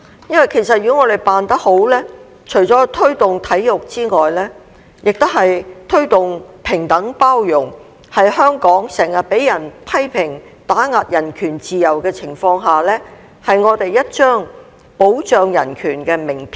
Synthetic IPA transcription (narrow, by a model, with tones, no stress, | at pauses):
jɐ˥nwɐ˨jkʰe˨˩jsɐ˨t̚jyː˨˩˥ŋɔː˨˧ɾe˨jpaː˨nt̪ɐ˥k̚ho˨˥wlɛː˥ | t͡ʃʰɵ˨˩ɥt͡sɔː˨˥t̪ʰɵ˥ɥt̪ʊ˨ŋt̪ʰɐ˨˥jjʊ˨k̚t͡siː˥ŋɔː˨jlɛː˥ | jɪ˨k̚t̪ʊ˥whɐ˨jt̪ʰɵ˥ɥt̪ʊ˨ŋpʰɪ˨˩ŋt̪ɐ˨˥ŋpaː˥wjʊ˨˩ŋ | hɐ˨jhœː˥ŋkɔː˨˥ŋsɛː˨˩ŋjɐ˨t̚pe˨˥jjɐ˨˩npʰɐ˥jpʰɪ˨˩ŋ | t̪aː˨˥ŋaː˨˧t̚jɐ˨˩nkʰyː˨˩nt͡siː˨jɐ˨˩wkɛː˧t͡sʰɪ˨˩ŋfɔː˧ŋɦaː˨˩lɛː˥ | hɐ˨jŋɔː˨˧t̪e˨jːɐ˥t̚t͡ʃœː˥ŋ | po˨˥wt͡ʃœː˨ŋjɐ̰˨˩nkʰyː˨˩nkɛː˧mɪ˨˩ŋpʰ